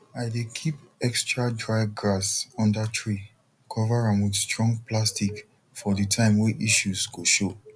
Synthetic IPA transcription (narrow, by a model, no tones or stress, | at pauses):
aɪdekʰipɛkstɹadɹaɪɡɹasɔ̃ndatʰɹi | kʰɔvaɹãmwidstɹɔ̃ŋɡplastik | fɔdətʰãɪ̃mweʔiʃuzɡoʃo